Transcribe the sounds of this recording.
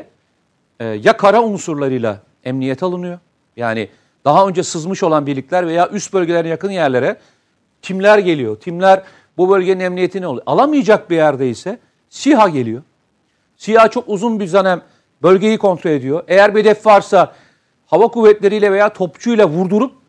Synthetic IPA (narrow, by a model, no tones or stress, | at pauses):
ɛːjakʰaɾaunsuɾlˠaɾɯjlˠa̰ | ɛmnijɛt̪ʰalˠɯnɯjo̞ | jaːnɪ | d̪̥aɦaø̞nd͡ʒɛsɯzmɯʃo̞lˠanbiɾlʲiclʲæɾve̞jaːʔyst̪̚bø̞lʲɟeeɾinjakɯnjæɾlʲe̞ɾɛ | t̪ʰimlʲæɾɟe̞lʲijo̞t̪ʰimlʲæɾ | bubø̞lʲɟe̞ninɛmnije̞t̪ʰinolˠa̰lˠamɯjad͡ʒak̚bijæɾd̪ɛisɛ | siɦaɟe̞lʲijo̞ | sihat͡ʃʰo̞kuzunbiɾzanæm | bø̞lʲɟe̞jikʰo̞nt̪ɾolʲe̞d̪ijo̞ʔe̞jæɾbied̪ɛfvaɾsa | havakuvːɛt̪lʲe̞ɾijlʲɛve̞jaːt̪ʰo̞pt͡ʃʰujlˠavuɾd̪uɾup̚